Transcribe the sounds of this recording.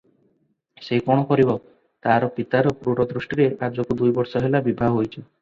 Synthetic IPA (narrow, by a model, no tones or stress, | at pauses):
seɦikɔɽ̃ɔpɔɾibɔ | t̪aɾɔpit̪aɾɔpɾuɽɔd̪ɾusʈiɾeʔad͡ʒɔkud̪ujbɔɾsɔɦelabibʱaɦɔɦojt͡ʃʰi